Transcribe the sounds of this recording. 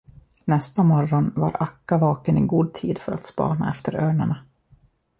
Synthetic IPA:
nɛst̪amɔɾɔnva̰ɾakːavɑːkənɪɡuːd̪̚t̪ʰiːd̪fœɾʔa̰t̪spɑ̰ːna̰ɛft̪ʰəɾøːɳaɳa

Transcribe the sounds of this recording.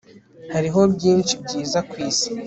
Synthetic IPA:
haɾiɦo̞bɟiːnt͡ʃibɟiːzakwiːsi̥

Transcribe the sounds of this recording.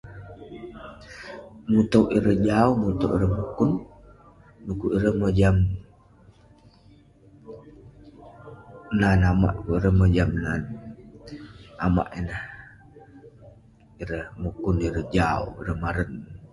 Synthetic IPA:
mut̪owʔiɾəhd͡ʒaumut̪owʔiɾəhmukʊnː | ukuʔiɾəhməd͡ʒam | nanama̰ʔkuiɾəhməd͡ʒamnan | ama̰ʔinəh | iɾəhmukuniɾəhd͡ʒaṵiɾəhmaɾən

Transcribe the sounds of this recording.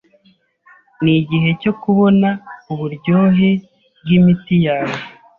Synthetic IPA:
niɟiɦe̞co̞kuβo̞nauβuɾɟo̞ːɦe̞ | b̚ɡimitijaːwe

